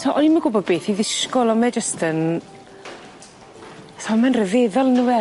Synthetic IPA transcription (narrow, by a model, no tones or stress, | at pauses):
tʰɔʔɔniməɡʊbɔbeːθiðɪskɔlˠɔmɛd͡ʒəstʰən | tʰɔmɛnrəðeðɔlˠnuwɛ